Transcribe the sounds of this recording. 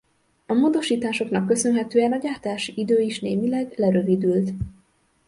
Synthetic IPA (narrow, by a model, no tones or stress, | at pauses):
ɒmoːd̪o̞ʃiːt̪aːʃo̞knɒkːø̞sø̞nɦɛt̪øːɛnɒɟaːrt̪aːʃiʔid̪øːiʃneːmilɛɡlɛɾø̞vid̪ylt̪